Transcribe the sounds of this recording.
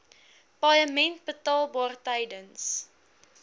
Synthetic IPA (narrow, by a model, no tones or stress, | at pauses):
pɑjəmɛnt̚bətɑːlˠbɑːrtəjdəns